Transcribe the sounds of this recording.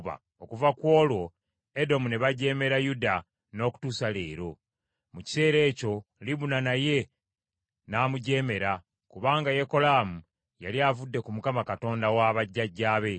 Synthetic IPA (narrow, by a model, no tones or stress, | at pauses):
βa̰ | okuvakwo̞ːlwo̞ | edo̞muneβaɟe̞ːme̞ɾajuda | no̞ːku̥tuːsale̞ːɾo̞ | muci̥se̞ːɾe̞ːco̞liβunanaje̞ | naːmuɟe̞ːme̞ɾa | kuβaːŋɡaje̞ko̞laːmu | jaliavudːe̞kumukamakato̞ːndawaːβaɟːaɟːaːβe̞